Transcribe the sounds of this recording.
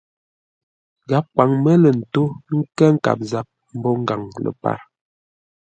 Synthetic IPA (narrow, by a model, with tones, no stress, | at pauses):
ɡa˨˦p̚kwa˨ŋmə˦lə˨n̩˨to˦ŋ̩˦kɛ˦ŋ̩˦ka̰˨p̚za˦p̚ | m̩˦bɔ˦ŋ̩˦ɡa˨ŋlə̰˨pa̰˦˨ɾ